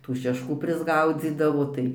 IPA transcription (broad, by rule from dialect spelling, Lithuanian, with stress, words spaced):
tuː ʃʲɛʃˈkuː pʲrʲɪzˈɡɐʊd͡zʲiːdɐʋoː ˈtɐɪ